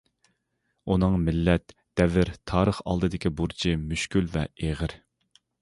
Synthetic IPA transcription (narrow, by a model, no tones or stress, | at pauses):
unɨŋmɪlːɛt̪ | d̪̥ɛvɪɾt̪ʰɑːɾəχɑ̰lˠd̪ɨd̪ɪkʲʰibuɾt͡ʃʰimyʃkʲylvɛ̰eʁɪɾ